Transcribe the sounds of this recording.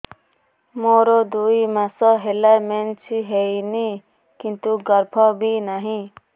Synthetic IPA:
moːɾod̪uimãsɔɦelament͡ʃʰiɦeini | kint̪uɡəɾbʰʱɔbʱinaɦĩ

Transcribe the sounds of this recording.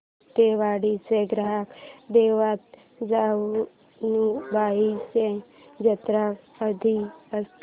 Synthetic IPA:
t̪eːʋaːɽiseɡɾaɦəkd̪eːʋaːt̪ | d͡ʒaː | nũbaːise | d͡ʒət̪ɾak | əd̪ʱiəst̪

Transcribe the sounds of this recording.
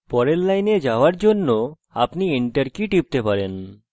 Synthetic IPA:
pɔɾelːajned͡ʑaoaɾd͡ʑonːo | apniiɳʈaɾkiʈip̚t̪epaɾen

